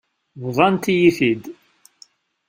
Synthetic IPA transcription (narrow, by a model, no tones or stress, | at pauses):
vðˤɑnt̪ijiθid̪